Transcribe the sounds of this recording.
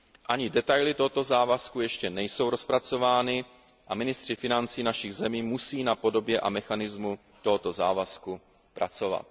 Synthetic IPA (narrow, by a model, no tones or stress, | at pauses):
ʔaɲɪdɛt̪ajlɪt̪oɦot̪o̞zaːvaskujɛʃcɛnɛjso̞wɾo̞spɾat͡so̞vaːnɪ | ʔamɪnɪst̪r̝̥ɪfɪnant͡siːnaʃɪɣzɛmiːmusiːnapo̞do̞bjɛʔamɛxanɪzmu | t̪o̞ɦot̪o̞zaːvasku | pɾʔa̰t͡so̞va̰t̪̚